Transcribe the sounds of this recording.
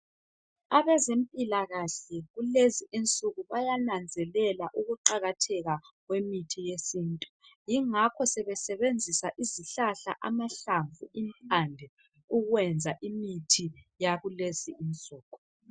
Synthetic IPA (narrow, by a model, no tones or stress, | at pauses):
aβɛzempʼilaɣaɬɛɣuleziint͡sʼuɣuβajanand͡zʱɛlɛlaʔuɣuǃaɣatʰɛɣaɣwemitʰijesiːntʼujiŋakʰɔsɛβɛsɛβend͡zʱisaʔiziɬaɬa̰ʔamaɬaɱvuimp̚ʰʼandʱɛ | uɣwɛnd͡zʱaʔimitʰijaɣulesiːnt͡sʼuːkʰʼɔ